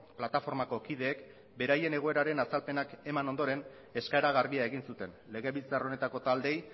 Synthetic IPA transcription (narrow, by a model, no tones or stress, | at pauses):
plat̪afo̞ɾmako̞kið̞e̞ːk | be̞ɾaje̞ne̞ɣ̞o̞e̞ɾaɾe̞nasalpe̞nake̞mano̞nd̪o̞ɾe̞n | e̞skaeɾaɣ̞aɾβiae̞ɣinsut̪e̞nle̞ɣ̞e̞βit͡saro̞ne̞t̪ako̞t̪ald̪e̞j